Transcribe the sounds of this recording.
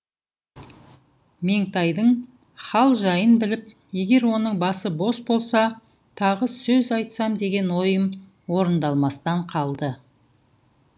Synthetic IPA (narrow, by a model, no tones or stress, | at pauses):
me̞ŋt̪ɑjd̪əɴ | χɑlˠʒɑjənbɪlɪp̚ | je̞ɡʲe̞ɾwo̞nəɴbɑsəbo̞sbo̞lˠsɑ | t̪ʰɑʁəsɵzɑjt̪sɑmd̪e̞ɡʲe̞nwo̞jəm | wo̞ɾənd̪ɑlˠmɑst̪ɑɴqʰɑlˠd̪ə